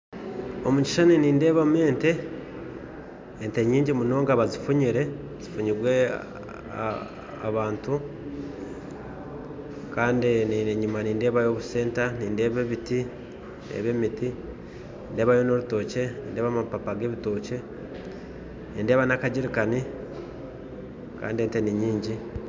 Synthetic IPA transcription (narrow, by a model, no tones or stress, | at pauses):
omuci̥ʃaniniːnde̞ːβameːnte̞ | nte̞ɲiːɲɟimuno̞ːŋɡaβazifuɲiɾe̞ | z̥ifuɲiɡwe̞̰ | a̰βaːntu | kaːndinieɲumaniːnde̞ːβajo̞βuse̞ːntaniːnde̞ːβeβiti | nḛβe̞miti | niːnde̞ːβajonoɾuto̞ce̞niːnde̞ːβamapapaɡe̞ːβito̞ːce̞ | niːnde̞ːβanakaɟiɾikani | ka̰ːndiente̞niɲiːɲɟi